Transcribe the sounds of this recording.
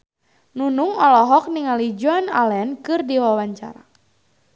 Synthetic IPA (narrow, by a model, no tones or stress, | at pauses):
nunuŋɔlɔɦɔk̚niŋalid͡ʒɔnalɛnkɨrdiwawaɲt͡ʃa̰ɾa